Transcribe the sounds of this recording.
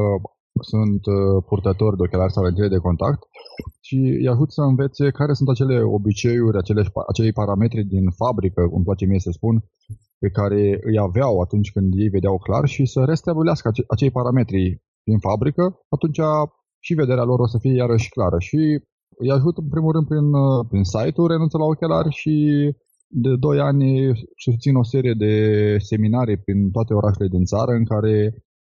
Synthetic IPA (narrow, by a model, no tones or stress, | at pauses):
sunt̪purt̪ət̪o̞rʲd̪eo̞kʲelarʲsavent̪iled̪e̞ko̞nt̪a̰kt̪ʃiɨ̰jaʒut̪səɨnve̞t̪se̞kaɾe̞sunt̪at͡ʃe̞le̞o̞̰bit͡ʃe̞juɾʲat͡ʃe̞leaʃa̰t͡ʃe̞lejpaɾame̞t̪ɾid̪infabɾikəɨ̰mplat͡ʃe̞mijesəspun | pe̞kaɾe̞ɨjaveawat̪unt͡ʃʲkɨnd̪je̞jve̞d̪eawkla̰rʃisəɾe̞st̪abuleaskəʔat͡ʃe̞jpaɾame̞t̪ɾi | d̪infabɾikəat̪unt͡ʃa | ʃive̞d̪e̞ɾealo̞ɾosəfijejaɾəʃklaɾəʃi | ɨjaʒut̪əɨnpɾimulɾɨnd̪pɾinpɾinsajt̪ulɾenunsəlaokʲelarʲʃi | d̪e̞d̪o̞janʲʃisu̥pt̪sino̞se̞ɾije̞d̪e̞se̞minaɾipɾint̪oat̪e̞o̞ɾʔaʃe̞le̞d̪int̪saɾəɨŋkaɾe̞